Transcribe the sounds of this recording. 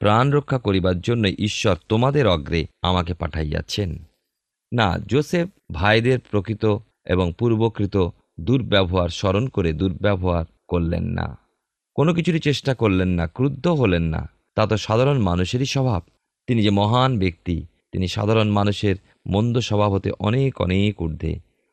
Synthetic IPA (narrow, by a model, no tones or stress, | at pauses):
pɾanɾokʰːakoɾibaɾd͡ʑonːojʔiʃːɔɾt̪omad̪eɾɔɡɾea̰mak̬epa̰ʈʰaja̰t͡ɕʰenː | a̰d͡ʑosef | bʱajd̪eɾpɾokɾit̪o | ḛboŋpuɾbokɾit̪o | d̪uɾbɛboɦaɾʃɔɾonkoɾed̪uɾbɛbʱoaɾ | koɾlḛnːa̰ | konok̬it͡ɕʰuʈit͡ɕeʃʈakoɾlenːakɾud̪ʱːoɦolenːa̰ | t̪at̪oʃad̪ʱaɾonmanuʃeɾiʃɔbʱab̚ | t̪inid͡ʑemɔɦanbek̚t̪i | t̪iniʃa̰d̪ʱaɾonmanuʃeɾ | mond̪oʃɔbʱabot̪ḛʔɔnekɔ̰nekuɾd̪ʱḛ